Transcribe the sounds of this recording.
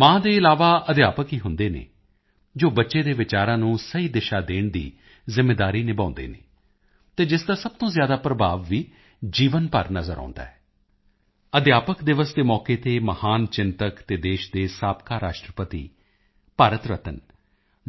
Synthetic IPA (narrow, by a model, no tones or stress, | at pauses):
mãːd̪eːɪlaːʋaːʔəd̪jaːpəkiːɦʊnd̪eːnḛː | d͡ʒoːbətːʃeːd̪eːʋɪt͡ʃaːɾãːnũːsəiːd̪ɪʃaːd̪eːɳd̪ḭː | zɪmːeːd̪aːɾiːnɪbãːnd̪ḛːnḛː | t̪eːd͡ʒɪsd̪aːsəb̚t̪õːzjaːd̪aːpɾəbʱaːʋːiː | d͡ʒiːʋənpə̰ɾnəzəɾa̰ːnd̪a̰ːɦɛː | əd̪jaːpəkd̪ɪʋəsd̪eːmɔːkeːt̪eːməhaːnt͡ʃɪnt̪əkt̪eːd̪eːʃd̪eːsaːpkaːɾaːʃʈɾəpət̪ḭː | paːɾət̪ɾət̪ən